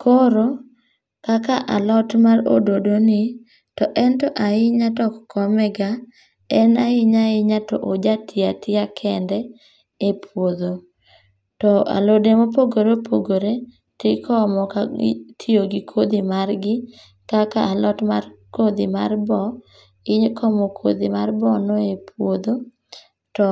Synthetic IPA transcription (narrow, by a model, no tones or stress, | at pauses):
kʰoɾo | kakaʔalɔtmaɾo̰dodonɪ | tɔʔɛntɔʔaɪɲatɔkkʰɔmɛɡa | ɛnaɪɲaɪɲatɔʔod͡ʒatʰɪatɪakʰɛndɛ | epʰwod̪o | tɔa̰lodemopoɡoɾepʰoɡoɾe | tɪkʰɔmɔka̰tʰioɡɪkʰod̪imarɡɪ | kakaʔalɔtma̰rkod̪ḭma̰rbɔ | ɪɲkʰɔmokʰo̰d̪ḭmarbɔnoepʰwod̪o | tɔ